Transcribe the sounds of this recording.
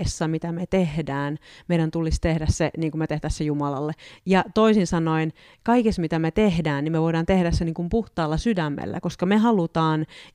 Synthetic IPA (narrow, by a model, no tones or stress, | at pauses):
esːɑmit̪æmet̪ehdæːnmeiɾænt̪ulist̪ehdæsseniːŋkumet̪ehdæssejumɑlɑ̰lːejɑt̪oisinsɑnoin | kɑikesmit̪æmet̪ehdæːnnimeʋoiɾɑːnt̪ehdæsseniːŋkumpuht̪ɑːlːɑsydæmːḛlːæ̰koskɑmehɑlut̪ɑːn